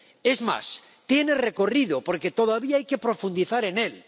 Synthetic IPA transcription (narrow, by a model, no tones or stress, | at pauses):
e̞zma̰s | t̪je̞ne̞re̞ko̞riðopo̞ɾke̞t̪o̞ðaβiaajke̞pɾo̞fund̪iθaɾe̞ne̞l